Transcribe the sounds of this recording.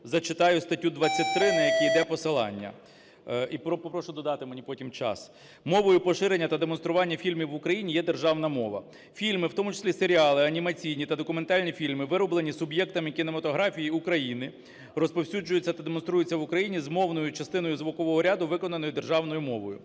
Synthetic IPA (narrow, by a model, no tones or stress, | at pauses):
zɐt͡ʃɪt̪ɑjʊst̪ɐtʲːud̪ʋɐt͡sʲːɐt̚ʲt̪ːɾɪnɐjɐkʲijd̪ɛpɔsɪlˠɑ̰nʲːɐ̰ | ipɔpɔpɾɔʃʊd̪ɔd̪ɑt̪ɪmenʲipɔtʲimt͡ʃɑ̰s | mɔʋɔjʊpɔʃɪɾe̞nʲːɐt̪ɐd̪emɔn̪st̪ɾʊʋɑnʲːɐfʲilʲmʲiwʊkɾɐjinʲijɛd̪erʒɑwnɐmɔʋɐ̰ | fʲilʲmɪwt̪ɔmʊt͡ʃɪ̥sʲlʲiseɾʲiɑlˠɪɐnʲimɐt͡sʲijnʲit̪ɐd̪ɔkʊment̪ɑlʲnʲifʲilʲmɪʋɪɾɔblˠenʲisʊbjɛkt̪ɐmɪkʲɪnemɐt̪ɔɦɾɑfʲijiʊkɾɐjinɪ | rɔspɔwsʲud͡ʒʊjʊt͡sʲːɐt̪ɐd̪emɔnst̪ɾujʊt͡sʲːɐʋʊkɾɐjinʲizmɔwnɔjʊt͡ʃɐst̪ɪnɔjʊzʋʊkɔʋɔɦɔɾʲad̪ʊʋɪkɔnɐnɔjʊd̪erʒɑwnɔjʊmɔʋɔjʊ̰